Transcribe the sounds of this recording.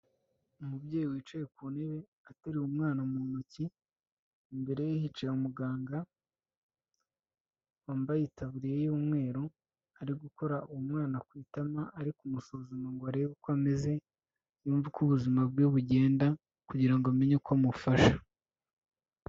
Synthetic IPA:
umubɟeːjiwiːt͡ʃajekuːne̞βe̞ | ataɾiumŋaːnamuːnuciː | mbe̞ɾe̞jehit͡ʃajumuɡaːŋɡa | waːmbajitʰaβuɾijejuːmŋe̞ːɾo | aɾiɡuko̞ɾauumŋaːnakwiːtamaʔaɾikumusoːzomaŋɡoaɾeβekwameze̞ | juːɱvukuβuzimabɡoβuɟe̞ːnda | kuɟiɾaŋɡoame̞ɲekwamufaʃḁ

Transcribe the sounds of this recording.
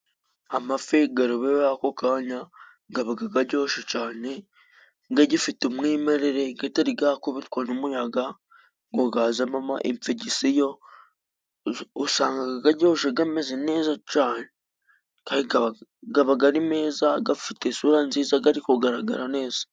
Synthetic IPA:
amafeɡaɾoβejjakokaːɲa | ŋɡaβaɡaɡaɟo̞ːʃet͡ʃaːne̞ | ŋɡaɟifitumŋiːmeɾeɾe̞ɡetaɾiɡakoβiɾikwanomujaɡa | ŋɡoɡazamamaʔḛmfeɟisijo̞ | usaːŋɡaɡaɡaɟo̞ːʃeɡamezene̞ːzat͡ʃaːne | kaːniɡaɡaβaɡaɾime̞ːzaɡafitesuɾanziːzaɡaɾikoɡaɾaɡa̰ɾane̞ːz̥ḁ

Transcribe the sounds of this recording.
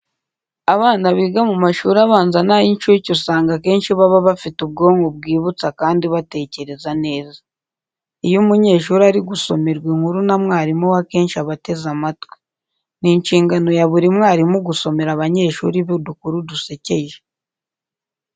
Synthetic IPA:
aβaːnaβiːɡamumaʃuːɾaβaːnzanajinʃuɾicusaːŋɡake̞ːnʃiβaβaβafitub̚ɡo̞ːŋɡobɡiːβut͡sakaːndiβate̞ːce̞ɾe̞zane̞ːzḁ | ijumuɲe̞ːʃuːɾiaɾiɡuso̞me̞ɾɡweŋhuɾunamŋaːɾimuwake̞ːnʃiaβate̞zamatwe̥ | niɲʃiːŋɡano̞jaβuɾimŋaːɾimuɡuso̞me̞ɾaβaɲe̞ːʃṵːɾiβedukuɾuduse̞ce̞ʒe

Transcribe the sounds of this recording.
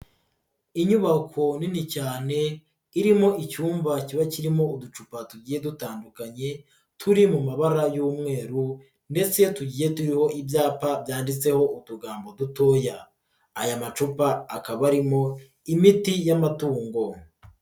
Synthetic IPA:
iɲuβakʰo̞ninicaːne̞ | iɾimo̞ʔicuːmvaciβaciɾimo̞udut͡ʃupatuɟiːje̞dutaːndukaɲe̞ | tʰuɾimumaβaɾajuːmŋe̞ːɾu | nde̞t͡se̞tuɟiːje̞tuɾiho̞ʔibjaːpabjaːndit͡se̞ho̞ʔuduɡaːmbo̞duto̞ːjaː | jamat͡ʃupaːkaβaɾimo̞ | imitijamatuːŋɡo̞

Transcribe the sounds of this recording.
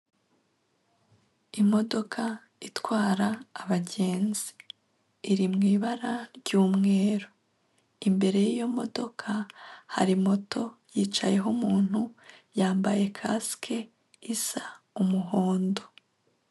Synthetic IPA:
imo̞do̞kʰa | itwaːɾaːβaɟe̞ːnziː | ɾimŋiːβaɾaɟuːmŋe̞ːɾo | imbe̞ɾe̞jijo̞mo̞do̞kʰaha̰ɾimo̞tʰo̞jiːt͡ʃaje̞ɦomuːn̥hujaːmbaje̞kʰaskʰe̞ | isa | umuɦo̞ːndo̞

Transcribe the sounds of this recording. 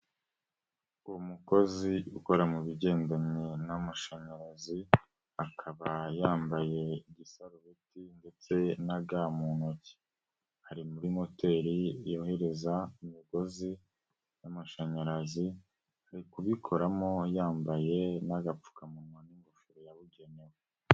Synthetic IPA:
uwomuko̞ziuko̞ɾamuβiɟe̞ːndaɲinamaʃaɲaɾazi | akʰaβajaːmbaje̞iɟisaɾoβitinde̞t͡se̞naɡaːmunoci̥ | haɾimuɾimo̞te̞ɾijo̞ːhe̞ɾe̞zaimiɡo̞zi | namaʃaɲaɾazi | haɾikuβikʰo̞ɾamo̞jaːmbaje̞naɡap͡fu̥kamumaniŋɡofiɾojaβuɟe̞newe

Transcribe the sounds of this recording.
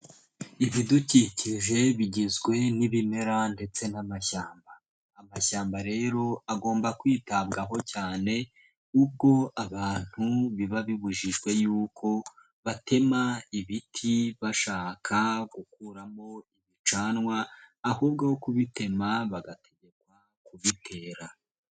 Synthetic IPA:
iβiduciciʒe̞βiɟezɡwe̞niβimeɾande̞t͡se̞namaʃaːmbaː | maʃaːmbaɾe̞ːɾo̞aɡo̞ːmbakwiːtabɡaɦo̞caːne̞ | ub̚ɡo̞aβaːn̥huβiβaβiβuʒiʒɡwe̞juːkʰo̞ | βatʰe̞maiβitʰiβaʃaːkʰaɡukuːɾamo̞iβit͡ʃaːnŋwaːhuːb̚ɡahokuβite̞maβaɡatʰe̞ɟe̞kwa | kuβitʰe̞ːɾa

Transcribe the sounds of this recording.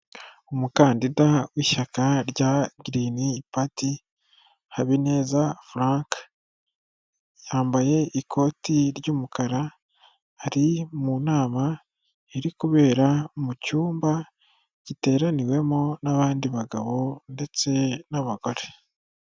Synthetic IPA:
omukaːndidawiːʃakaɾɟaɡɾinipati | haβine̞ːzafuɾaːŋk | jaːmbaje̞ʔikʰo̞ːtiɾɟuːmukaɾaː | ɾimunaːma | eɾikuβe̞ːɾamucuːmba | ɟ̥ite̞ːɾaniwe̞monaβaːndiβaɡaβo̞nde̞t͡se̞naβaɡo̞ɾe

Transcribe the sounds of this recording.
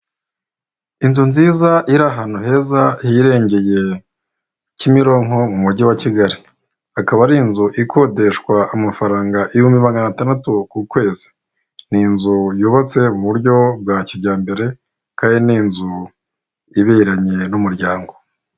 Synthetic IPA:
inzunziːzaʔiɾaɦaːnuɦe̞ːzahiɾe̞ːɲɟe̞je̞ | cimiɾo̞ŋ̥ho̞mumuɟiwaciɡaɾi | akaβaɾinzuʔikʰo̞de̞ʃkwaːmafaɾaːŋɡaʔijumiβaŋɡanatandatukukwe̞ːzi̥ | ninzujoβot͡se̞uβuβuɾjɟo̞b̚ɡwaːcoɟaːmbe̞ɾe̞ | kajeninzu | iβeɾaɲe̞numuɾɟaːŋɡo̞

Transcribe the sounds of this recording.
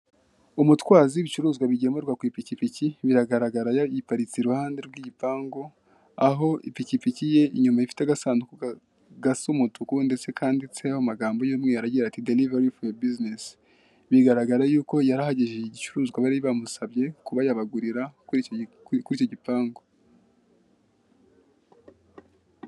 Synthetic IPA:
umutwaːziβit͡ʃuɾuːzɡwaβiɟe̞meɾɡwakwiːpicipiciβiɾaɡaɾaɡaɾajajipaɾit͡siɾuhaːnde̞ɾɡwiːɟipaːŋɡo̞ | aɦo̞ʔḭpicipicije̞iɲumajifi̥taɡasaːnuku | ɡasomutʰukunde̞t͡se̞kʰaːndit͡se̞ahomaɡaːmbojomŋe̞jaɾaɟiɾatidelivaɾifojabiznes | βiɡaɾaɡaɾajuːko̞jaɾahaɟeʒeiɟit͡ʃuɾuːzɡwaβaɾiβamusaβje̞kuβajaβaɡuɾiɾa | kuɾicoɟipaːŋɡo̞

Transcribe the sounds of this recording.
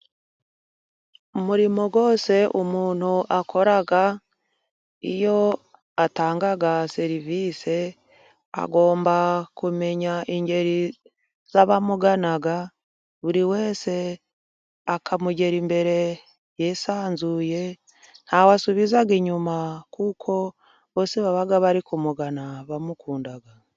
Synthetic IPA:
umuɾimo̞ɡwo̞ːse̞ʔumuːn̥huʔakʰo̞ɾaɡa | ḭjo̞ | ataːŋɡaɡaseɾiviːse̞ | a̰ɡo̞ːmbakume̞ɲaʔiɲɟe̞ɾi | zaβamuɡanaɡa | βuɾiwe̞ːse̞ | akʰamuɟe̞ɾimbe̞ɾe̞ | jesaːnzuje̞ | n̥hawasuβizaɡiɲumakukʰo̞ | βoseβaβaɡaβaɾikumuɡanaβamukʰuːndaɡa

